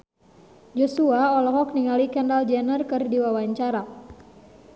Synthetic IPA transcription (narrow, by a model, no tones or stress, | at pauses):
d͡ʒɔsuaɔlɔɦɔk̚niŋalikɛndald͡ʒɛnərkɨrdiwawaɲt͡ʃaɾa